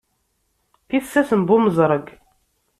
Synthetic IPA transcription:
θiθsːæsəmbʊməzˤɾˤəɡ

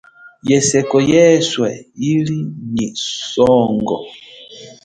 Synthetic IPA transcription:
jɛsɛkɔjɛswɛilinisɔːŋɡɔ̰

